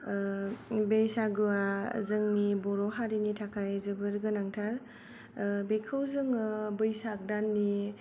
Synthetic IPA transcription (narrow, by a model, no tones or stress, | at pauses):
bejsaɡuazɯŋnibɔɾɔɦaɾinitʰakʰajzɯbɯɾɡɯnaŋtʰaɾ | bekʰɯwzɯŋbɯjsak̚danːi